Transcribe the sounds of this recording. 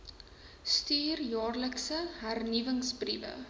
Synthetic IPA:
styːrjɑːrləksəɦærnivəŋsprivə̰

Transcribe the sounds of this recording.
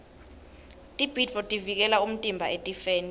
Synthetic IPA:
tʼib̥ʱidvɔtʼivik̬ɛlaum̩tʼimbʱaetʼifeːni

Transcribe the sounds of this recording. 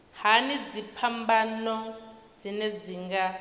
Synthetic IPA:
hanid͡zipʰambanɔ | d͡zinɛd͡ziŋɡa

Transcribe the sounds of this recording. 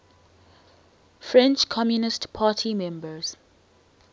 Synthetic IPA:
fɹɛ̃nt͡ʃkʰɔmjunɪstpʰaːtʰimɛ̃mbəz̥

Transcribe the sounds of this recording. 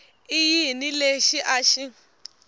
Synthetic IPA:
ijinileʃiʔaʃi

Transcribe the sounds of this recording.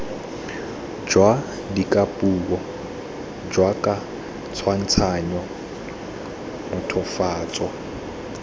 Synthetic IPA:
d͡ʒwa | dikʼapʼuːbɔ | d͡ʒwakʼa | t͡sʰwan̩t͡sʰaɲɔ | mʊtʰɔfaːt͡sʼɔ

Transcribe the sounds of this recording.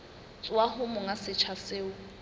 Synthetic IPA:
t͡sʼwahʊmʊŋasɪt͡ʃʰasɪːʊ

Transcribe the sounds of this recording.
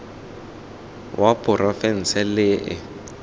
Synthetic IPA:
wʔapʼʊrɔfɛn̩sɛlɪʔɪ̰

